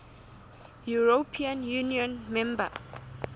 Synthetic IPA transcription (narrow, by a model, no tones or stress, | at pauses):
juɹopʰiãnjuniɔ̃nmɛ̃mbə̰